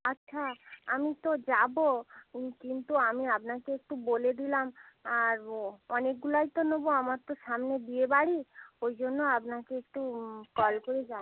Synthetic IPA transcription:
atːʃʰaamit̪od͡ʑabokint̪uamiapnakeek̚ʈuboled̪ilamaɾɔnek̚ɡulajt̪onoboamaɾt̪oʃamned̪iebaɽiojd͡ʑonːoapnakeek̚ʈukɔlkoɾed͡ʑa

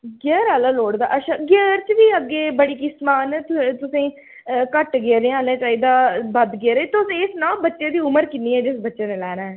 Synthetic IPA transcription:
ɡɛːɾaːlaːloːɽd̪aːʔəʃʰaːɡəːɾt͡ʃʋiːəɡːeːbəɽiːkɪsmaːnt̪t̪ʊsĩː | kəʈɡeːɾẽːaːlãːt͡ʃaːiːd̪aːbəd̪ɡeːɾeːt̪ʊsĩɪsnãːbətːʃeːd̪iːʊməɾkɪnːiːɛːd͡ʒɪsbətːʃeːneːlɛːnaːɛː

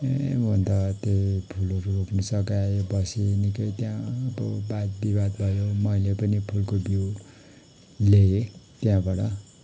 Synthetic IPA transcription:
mont̪ʌt̪epʰulʌɾuoknʌsʌkajbʌsinikʌjt̪jãbʌ̰bad̪̚bibad̪bʱʌjomʌjlepʌnipʰulkobji | leet̪jãbʌɽʌ

